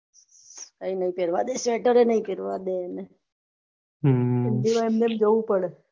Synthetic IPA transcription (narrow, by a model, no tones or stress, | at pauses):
kainəĩpeɾʋad̪esʋeʈəɾenəɦĩpeɾʋa̰d̪eːme | emd̪iʋaemnemd͡ʒoʋũpəɽe